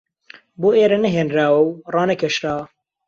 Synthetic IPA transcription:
boːʔeːɾɐnɐɦeːnɾaːwɐwrɑːnɐkʰɐʃɾaːwɐ

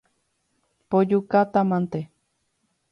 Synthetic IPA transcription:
pod͡ʒukat̪amãnt̪e

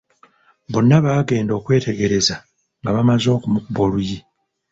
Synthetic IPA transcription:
βo̞nːaβaːɡe̞ːndo̞ːkwe̞ːte̞ɡe̞ɾe̞za | ŋɡaβamazo̞ːkumukubo̞luji

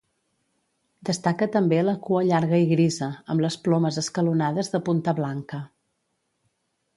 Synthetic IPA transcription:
d̪əst̪akət̪əmbeləkuəʎaɾɣəiɣɾizəəmləsplɔməzəskəlunaðəzðəpunt̪əβlaŋkə

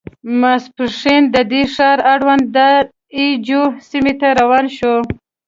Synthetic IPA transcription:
maspəʂind̪əd̪eʂɑɾaɽwand̪d̪a | id͡ʒosimet̪aɾawɑnʃo

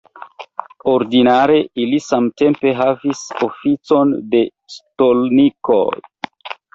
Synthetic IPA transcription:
oɾdinaɾe̞ilisamte̞mpe̞ɦavisofit͡so̞nde̞ | stolniko̰j

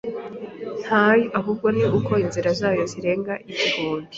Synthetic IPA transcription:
n̥hajuʔaɦub̚ɡo̞niʔukʰo̞inziɾazaːjo̞ziɾe̞ːŋɡaʔiβiɡoːmbi

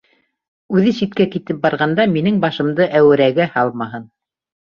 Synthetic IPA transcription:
ʉðɘsit̪̚kækit̪ɘp̚bɑɾʁɑnd̪ɑminɘŋbɑʃɤ̆md̪ɤʔæwɘ̆ɾæɡæhɑlˠmɑɦɤn

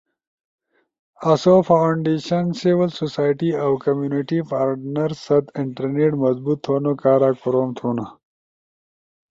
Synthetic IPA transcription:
ɐsofawɳɖeːɕɐnsiwɪlsosaːjʈiawkɐmjunɪʈipʰaːɾɖnɐɾsɐt̪ɪɳʈɐɾneʈmɐzbut̪ʰːoːnokaːɾaːkoɾoːmt̪ʰuːna

